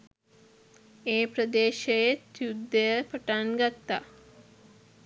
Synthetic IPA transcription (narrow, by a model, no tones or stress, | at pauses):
eːpɾəd̪eːʃejet̪jud̪ːəjəpəʈanɡat̪ːa